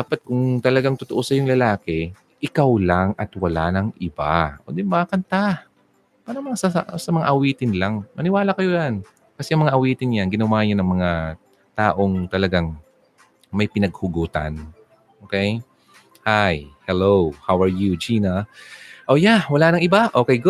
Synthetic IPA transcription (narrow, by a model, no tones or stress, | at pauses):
d̪aːpɐt̪̚kʊŋt̪ɐlɐɡaŋt̪ʊt̪oʔosɐjʊŋlɐlaːkɛ | ʔɪkawlaŋʔɐt̪wɐlanɐŋʔɪba̰ʔo̰d̪ɪnbakɐnt̪a | paːɾɐmɐŋasɐsɐmɐŋa̰ʔɐwiːt̪ɪnlaŋmɐnɪwaːlakɐjojan | kɐsɛʔɐŋmɐŋaʔɐwiːt̪ɪnjanɡɪnɐwaːɲanɐŋmɐŋa | t̪aːʔo̞ŋt̪ɐlɐɡaŋ | mɐjpɪnɐɡ̚hʊɡuːt̪a̰n | ʔokɛj | hajhɛlowhawɐɹjud͡ʒiːnɐʔoːjawɐlaːnɐŋʔɪbaʔokɛjɡʊ